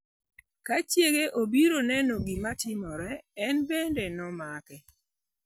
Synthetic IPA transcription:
kat͡ʃjeɡeʔobiɾonɛnoɡimatɪmɔɾɛːnbendenɔmakɛ

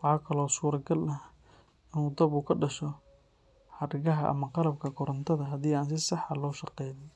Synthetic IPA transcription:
wɑħɑːkʰɐlɔːsuːɾɐɡɐlɐ | ɪnuːd̪ɐbuːkʰɐɖɐʃɔ | ħɐɾɪɣɐɦɐʔɐ̰mɐqɑlɐb̚kʰɐkʰɔɾɐnt̪ʰɐðɐɦɐðiːaːnsɪsɑħɑlɔːʃɑqɛːjðɪj

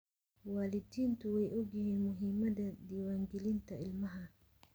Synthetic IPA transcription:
waːlɪd̪iːnt̪ʰʊwɛjʔɔɡjɐɦiːnmʊɦimɐd̪ɐd̪iːwaːŋɡɛlɪnt̪ʰɐɪlmɐɦɐ

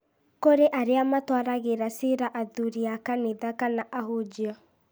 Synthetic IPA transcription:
koɾeʔaɾeamatwaɾaɣeɾaseɾaʔaðuɾiakaneðakanaʔaɦod͡ʒiɔ

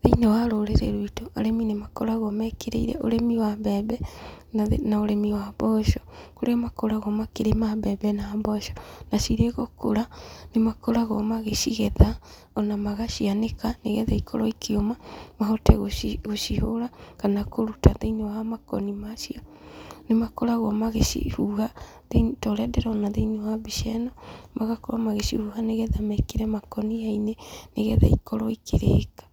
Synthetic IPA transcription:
ðeinɔwaɾoɾeɾeɾuitoa̰ɾɛminemakɔɾaɣɔmɛkeɾḛiɾɛ̰ʔoɾɛmiwaβɛbɛ | naoɾɛmiwabɔʃɔkoɾeɔmakɔɾaɣɔmakeɾemabɛːbɛnaːbɔʃɔ̥nasiɾeɣoko̰ɾanemakɔɾaɣɔmaɣeʃiɣɛða | ɔnamaɣaʃianekaneɣɛðɛikʰɔɾɔikʰeomamaɦɔtɛɣoɣoʃihoɾakanakoɾutaðeinewaamakɔnimaʃiɔ | nemakoɾaɣwɔmaɣeʃḭhuha | ðenitɔɾɛdɛɾaɔnaðeiniwabiʃɛnɔmaɣakoɾamaɣeʃḭhuhaneɣɛðamɛkeɾɛmakɔniaineneɣɛ̰ða̰ikɔɾɔikʰeɾḛːkḁ

